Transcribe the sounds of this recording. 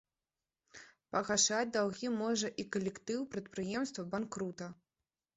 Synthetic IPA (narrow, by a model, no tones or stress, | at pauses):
pɐɣaʂat͡sʲd̪awɣʲimɔʐɐʔikɐlʲɛkt̪ɨwpɾɐt̪̚pɾɨjɛmst̪vɐbankɾut̪ɐ